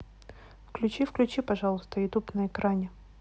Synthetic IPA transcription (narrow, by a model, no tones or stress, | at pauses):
fklʲʉt͡ɕifklʲʉt͡ɕipɐʐalˠʊst̪əɪt̪upnəɪkɾanʲɪ